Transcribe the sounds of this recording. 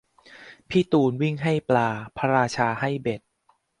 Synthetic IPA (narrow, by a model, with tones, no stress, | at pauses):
pʰiː˦˥˩t̪uː˧nwi˥˩ŋɦa˥˩jplaː˧pʰa˧ɾaː˧t͡ɕʰaː˧ha˥˩jbe˨˩t̪̚